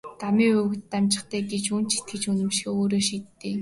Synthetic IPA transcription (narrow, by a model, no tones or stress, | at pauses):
t̪amiːɵɣ̆t̪ːamʲt͡ɕɪ̥̆χt̪æːɡet͡ɕunt͡ɕʰi̥t̪̚ɡɘ̆t͡ɕunɘ̆mʃĭ̥oːɾoːʃiːt̪ːeː